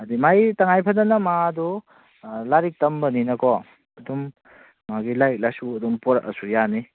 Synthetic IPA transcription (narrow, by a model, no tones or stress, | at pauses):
ɐdimajtaŋajpʰɐdɐnɐmadu | laɾik̚tɐmbɐninɐkɔ | ɐdum | maɡilajk̚lasuɐdumpɔɾaʔɐ̰sujani